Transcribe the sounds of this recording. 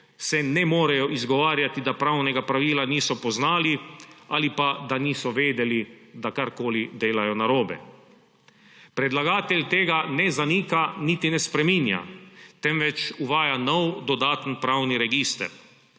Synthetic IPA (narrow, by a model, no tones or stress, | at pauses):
sɛnɛmoːɾajɔʔizɡɔʋaːɾjat̪id̪apɾawnɛɡapɾaʋiːlaniːsɔpɔznaːlialipad̪aniːsɔʋeːd̪ɛlid̪akaɾkoːlid̪eːlajɔnaɾoːbɛ̰ | pɾɛd̪laɡaːt̪ɛlʲt̪eːɡanɛzaniːkanit̪inɛspɾɛmiːnja̰t̪ɛmʋɛt͡ʃuʋaːjanɔwd̪ɔd̪aːt̪ənpɾawniɾɛɡiːst̪ɛ̰ɾ